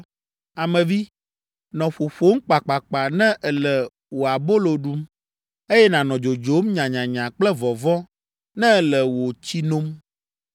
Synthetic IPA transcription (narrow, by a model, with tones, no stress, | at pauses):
a˨mɛ̃˨vi˦ | nɔ̃˨ɸo˨ɸo˦ŋ̩˦k͡pa˨k͡pa˨k͡pa˨nɛ̃˦ʔɛ˨lɛ˨ | wo˨a˨bo˦lo˨ɖu˦m | e˦jɛ˦nã˨nɔ̃˨d͡ʒo˨d͡ʒo˨˦mɲã˨ɲã˨ɲã˨k͡plɛ˦vɔ˨vɔ˦ | nɛ̃˦˨lɛ˨wo˨t͡ɕi˦nõ˦m